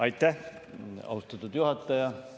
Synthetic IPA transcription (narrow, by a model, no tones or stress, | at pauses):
ɑjt̪ːˑæh | ɑ̰wst̪ɑt̪ːˑud̪̥juɦɑt̪ːˑɑjɑ